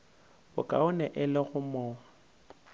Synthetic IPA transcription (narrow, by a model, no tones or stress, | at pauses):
bʊ̰kʼa̰ʊnɛʔɪlɪɣʊmɔːwa